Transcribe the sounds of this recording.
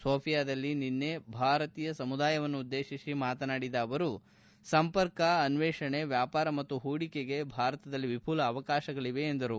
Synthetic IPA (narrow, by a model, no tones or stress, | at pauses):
soːpʰijaːd̪ɐlːininːe̞bʱaːɾɐt̪iːjɐsɐmud̪aːjɐʋɐnːuːd̪ːe̞ːʃisimaːt̪ɐnaːɽid̪ɐːʋɐɾu | sɐmpɐɾkɐːnʋɛːʂɐɳe̞ʋjaːpaːɾɐmɐt̪ːuɦuːɽikeɡe̞bʱaːɾɐt̪ɐd̪ɐlːiʋipʰuːlɐːʋɐkaːʃɐɡɐɭiʋe̞ːnd̪ɐɾu